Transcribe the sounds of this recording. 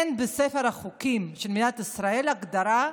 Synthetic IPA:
nbesefeɾhaχukimʃelmid̪at̪isɾae̞laɡd̪aɾa

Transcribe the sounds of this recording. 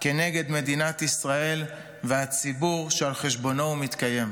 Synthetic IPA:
ke̞ne̞ɡe̞d̪me̞d̪inat̪isʁae̞l | veat͡sibuʁʃealχeʃbo̞no̞umit̪kaje̞m

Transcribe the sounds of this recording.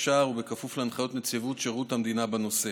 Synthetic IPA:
ʃaːʁubekafufleanχajo̞t̪net͡sivutʃeʁut̪hamd̪inabano̞se

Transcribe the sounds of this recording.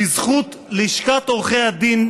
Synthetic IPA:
izχut̪ | leiʃkat̪oʁχejhad̪in

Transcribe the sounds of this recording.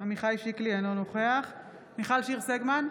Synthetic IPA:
amiχajʃiklienonoχeaχ | miχalʃiʁseɡman

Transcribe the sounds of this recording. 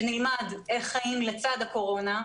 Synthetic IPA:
nilmadeχajimlet͡sad̪hako̞ʁo̞na

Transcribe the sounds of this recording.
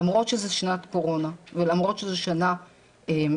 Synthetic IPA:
amʁo̞t̪ʃezeʃnatko̞ʁo̞navelamʁo̞tʃezeʃana | em

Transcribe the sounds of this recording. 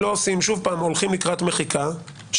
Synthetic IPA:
o̞osimʃuvpaːmolχimlikʁat̪me̞χikʰa | ʃ

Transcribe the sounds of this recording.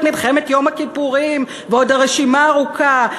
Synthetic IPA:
tmilχemetjo̞mhakipuʁim | veo̞daʁeʃimaːʁuka

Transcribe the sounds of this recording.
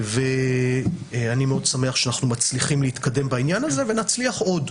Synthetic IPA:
ve̞ | animeo̞dsame̞aχʃeanaχnumat͡sliχimleit̪kade̞mbainjanaze̞ve̞nat͡sliaχo̞d

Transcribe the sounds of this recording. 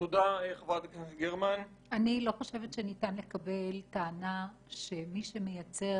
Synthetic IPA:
tod̪aeχvad̪knesɡeʁman | anilo̞χoʃe̞vetʃenitanle̞kabe̞ltaːna | ʃe̞miʃe̞me̞jat͡se̞

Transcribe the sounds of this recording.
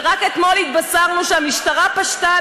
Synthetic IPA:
ʁaket̪molhit̪̚basaʁnuʃeamiʃtaʁapaʃta

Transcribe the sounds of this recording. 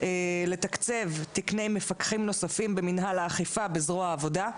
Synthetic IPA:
ele̞t̪akt͡se̞vtikne̞jme̞fakχimno̞safimbe̞minɦalaːχifabezʁoaːvo̞da

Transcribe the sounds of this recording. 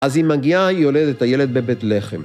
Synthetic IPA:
azimaɡiaijoled̪et̪ajeled̪̚bebeːt̪leχem

